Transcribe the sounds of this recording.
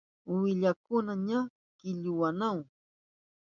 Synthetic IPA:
wɪʎakʊnaɲa | kɪʎʊwanaw

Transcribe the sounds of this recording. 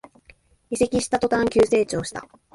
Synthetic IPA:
ise̞kʲiɕi̥t̪at̪o̞t̪ãŋkʲɨːse̞ːt͡ɕo̞ːɕi̥t̪a̰

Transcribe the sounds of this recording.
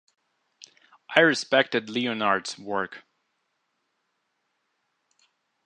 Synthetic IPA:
ʔaɪɹɨspɛk̚tɨdˡliɨnɑɹdz̥wɜ˞k

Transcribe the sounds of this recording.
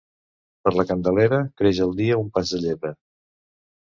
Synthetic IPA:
pəɾləkənd̪əleɾəkɾeʒəlˠd̪iəumpazd̪əʎeβə

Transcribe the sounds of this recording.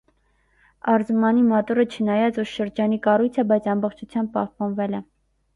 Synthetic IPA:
ɑɾzumɑnimɔt̪uɾət͡ʃʰənɑjɑt͡suɾʃəɾd͡ʒɑnikɑrujt͡sʰɛbɑjt͡sʰɑmbɔχt͡ʃʰut͡sʰjɑmb̚pɑhpɑnvɛlɛ

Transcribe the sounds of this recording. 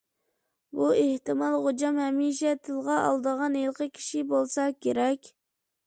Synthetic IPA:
bueht̪ɨmɑlˠʁod͡ʒɑmhɛmiʃɛt̪ʰɪlʁɑʔɑ̰lˠd̪əʁɑnelˠqʰəkʲʰi̥ʃibolˠsɑkʲʰeɾɛkʲ

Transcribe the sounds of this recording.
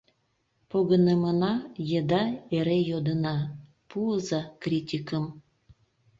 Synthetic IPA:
poɣənemənɑjəd̪ɑeɾejod̪ənɑ | puəzɑkrʲitʲikəm

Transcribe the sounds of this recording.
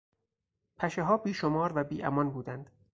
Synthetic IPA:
pʰæʃeɦɒːbiːʃomɒːɾvæbiːʔæ̰mɒnbuːd̪ænd̪̥

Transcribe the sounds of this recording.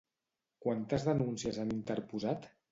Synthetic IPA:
kwant̪əzðənunsiəzanint̪əɾpuzat̪

